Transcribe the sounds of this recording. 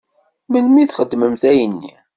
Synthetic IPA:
mənmiθχəd̪ːməmθæjənːḭ

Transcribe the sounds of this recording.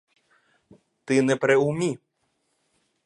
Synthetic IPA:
t̪ɪnɛpɾɛʊmʲi

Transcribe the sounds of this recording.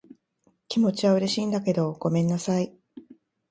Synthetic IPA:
kʲimo̞t͡ɕiβaɯ̟ɾe̞ɕiːnd̪ake̞d̪o̞ɡ̥o̞mẽ̞nːasai

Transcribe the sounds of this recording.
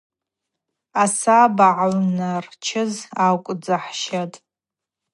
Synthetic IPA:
asabaʕawnart͡ʃʰɪzakʷʼd͡zaħʃatʼ

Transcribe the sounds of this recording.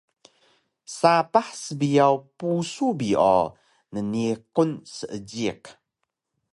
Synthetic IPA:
sapaħsəbiawpusubiʔɔ̰ | nənikunsəʔəd͡ʒik

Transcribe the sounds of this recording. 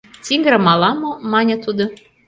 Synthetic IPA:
t̪iŋɡəɾə̆mɑlɑmŏmɑnʲə̆t̪ud̪o

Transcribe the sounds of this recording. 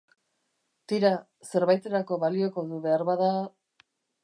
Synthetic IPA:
t̪iɾa | se̞ɾβajt̪e̞ɾako̞βalio̞ko̞ðuβe̞aɾβaða

